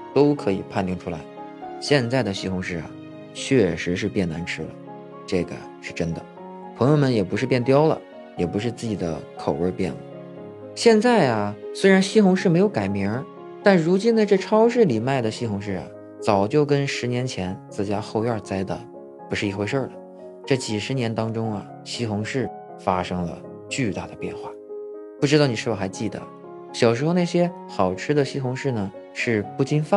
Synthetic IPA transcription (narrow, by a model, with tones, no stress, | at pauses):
t̪o˥ʊkʰɤ˧˥ḭ˨˩pʰa˥˧nt̪ji˥˩ŋʈ͡ʂʰu˥la˧˥ɪ | ɕjɛ˥˧nt͡sa˥˩ɪd̪ə˩ɕi˥˩xʊ˧˥ŋʂɻ̩˥˩ɐ̰˩ | t͡ɕʰɥɛ˥˩ʂɻ̩˧˥ʂɻ̩˥˧pjɛ˥˩nna̰˧˥nʈ͡ʂʰɻ̩˥lə̰˨ | ʈ͡ʂɤ˥˩ɡə̰˩ | ʂɻ̩˥˩ʈ͡ʂə˥nd̪ə˨ | pʰɤ˧˥ŋjo˧ʊmə˧njɛ˨˩pu˧˥ʂɻ̩˥˧pjɛ˥˩nt̪̬jɑ˥ʊlə̰˨ | jɛ˨˩pu˧˥ʂɻ̩˥˧t͡sɹ̩˥˩t͡ɕi˨˩d̪ə̰˦kʰo˨˩ʊə˞˥˧pjɛ̰˥˩nlə̰˩ | ɕjɛ˥˧nt͡sa˥˩ɪɐ˩swe˥ɪɻa˧˥nɕi˥˩xʊ˧˥ŋʂɻ̩˥˩me˧˥ɪjʊka˨˩ɪmi˧˥ | t̪a˥˩nɻu˧˥t͡ɕi˥nd̪ə˧ʈ͡ʂɤ˥˩ʈ͡ʂʰɑ˥ʊʂ̬ɻ̩˥˩li˨˩ma˥˩ɪd̪ə˩ɕi˥˩xʊ˧˥ŋʂɻ̩˥˩ɐ̰˩ | t͡sɑ˨˩ʊt͡ɕjo˥˩ʊkə˥nʂɻ̩˧˥njɛ˧˥nt͡ɕʰjɛ˧˥nt͡sɹ̩˥˩t͡ɕja˥xo˥˧ʊa˞˥˧˩t͡sa˥ɪt̪ə̰˨˩ | pu˧˥ʂɻ̩˥˩i˧˥xwə˞˥˩d̪ə˩ | ʈ͡ʂɤ˥˩t͡ɕi˨˩ʂɻ̩˧˥njɛ˧˥nt̪ɑ˥ŋʈ͡ʂʊ˥ŋɐ̰˨ | ɕi˥xʊ˧˥ŋʂɻ̩˥˩ | fa˥ʂɤ˥ŋlə̰˨ | t͡ɕy˥˧t̪a˥˩d̪ə˩pjɛ̰˥˧nxwa˥˩pu˥˩ʈ͡ʂɻ̩˥t̪ɑ˥˩ʊni˨˩ʂɻ̩˥˩wɔ˨˩xa˧˥ɪt͡ɕi˥˩d̪ə̰˩ | ɕjɑ˨˩ʊʂɻ̩˧˥xna˥˩ɪɕjɛ˥ | xɑ˨˩ʊʈ͡ʂʰɻ̩˥d̪ə˨ɕi˥xʊ˧˥ŋʂɻ̩˥˩nə˩ | ʂɻ̩˥˩˧pu˥˩t͡ɕi˥nfa˥